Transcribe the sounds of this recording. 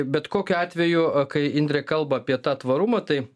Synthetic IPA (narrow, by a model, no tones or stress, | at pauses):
bʲɛt̪koːkʲʊɑːt̪ʲʋʲɛjʊkɐɪɪnʲd̪ʲɾʲɛkɐlˠbɐːpʲiɛt̪ɑːt̪ʋɐɾumɐt̪ɐɪ